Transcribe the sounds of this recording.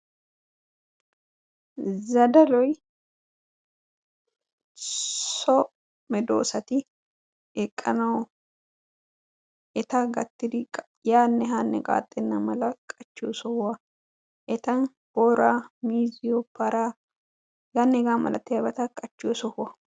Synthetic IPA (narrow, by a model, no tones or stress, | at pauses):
zɐd̪ɐlɔj | sɔ | mɛd̪o̰ːsɐt̪ɪ | ɛkʼːɐnɐw | ɛt̪ɐɡɐt̪ːɪd̪ɪ | jaːnːɛɦaːnːɛ̰kʼa̰ːt̪ʼːɛnːɐmɐlɐkʼɐt͡ʃːosɔhʊɐ | ʔɛt̪ɐn | b̥oːɾaːmiːzɪjɔpɐɾaː | ɡanːɛɡaːmɐ̰lɐ̰t̪ːɪjɐbɐt̪ɐkʼɐt͡ʃːɪɔsɔhʊɐ